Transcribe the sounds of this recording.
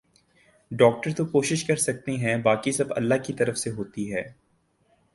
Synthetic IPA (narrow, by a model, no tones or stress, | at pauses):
ɖɔːk̚ʈəɾt̪okoːʃɪʃkɐɾsɐk̚t̪eɦɛ̃baːkisɐbɐ̰lːaɦkit̪ɐɾəfseɦoːt̪iɦɛː